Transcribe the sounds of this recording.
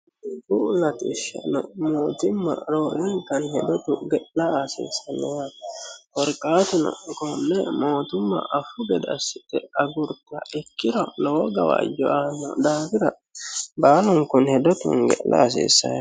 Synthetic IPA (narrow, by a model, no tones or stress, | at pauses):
bulɐt̪ɪʃːɐ̰nɔ̰moːt̪ɪmːɐ̰ɾoːʔɛŋkɐnhɛd̪ɔt̪ʊɡɛʔlɐɐsḛːsɐnɛjɐfɔɾkʼːaːt̪ʊnɐ̰kɔnːɛmoːt̪ʊmːɐ̰ʔɐfʊɡɛd̪ɐsɪt̪ɛɐɡʊɾt̪ɐ̰ɪkːɪɾɔlɔwɔɡɐwa̰ːd͡ʒɔaːnɔ̰d̪aːfɪɾɐ | baːlʊŋkʊnhɛd̪ɔt̪ʊ̰ŋɡɛ̰ʔlʔɐ̰ːs̬ḛːsːɐ̰